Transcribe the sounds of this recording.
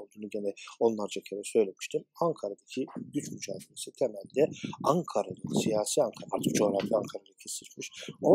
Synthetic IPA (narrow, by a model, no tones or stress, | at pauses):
olˠd̪uːnuɟenɛo̞nlˠaɾd͡ʒacʰeɾɛsø̞jlʲe̞mi̥ʃt̪ʰimaŋkʰaɾad̪acʰid̪yt͡ʃmyd͡ʒaːd̪eɾesɯt̪ʰemælʲd̪ɛaŋkʰaɾaj̪asijaːsiːaŋkʰaɾa̰ɾt̪ʰɯkd͡ʒo̞hɾaflʲiaŋkʰaɾaj̪acʰesit̪miʃo